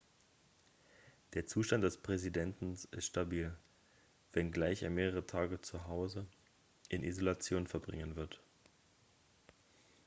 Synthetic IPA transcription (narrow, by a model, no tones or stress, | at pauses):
d̥eːɐt͡suːʃtant̚d̥ɛspʁ̥ɛzidɛntn̩sɪstʃtabiːl | vɛnɡlaɪçḛːɐmeːʁəʁətʰaːɡət͡suɦaʊzə | ʔɪnʔḭzolat͡sjoːnfɛɐbʁɪŋənvɪɐt